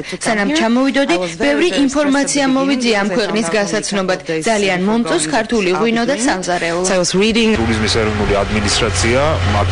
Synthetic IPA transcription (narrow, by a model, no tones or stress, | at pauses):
sanamt͡ʃʰamɔvid̪ɔd̪ib̥ɛvɾiʔːnpʰɔɾmat̪sʰiamɔvid̪ziaːmkʰwɛqʼnisɡasat̪sʰnɔbad̪̥d̪zalianmɔmt̪ʼɔskʰaɾt̪ʰuliʁwinɔd̪asamasɾid̪iŋʼuɾizmisɛɾɔvnuliad̪minist̪ʼɾat̪sʰiama